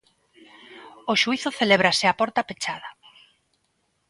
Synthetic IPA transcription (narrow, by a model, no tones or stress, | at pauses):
oʃuiθʊθeleβ̞ɾasɪapɔɾt̪apet͡ʃaðɐ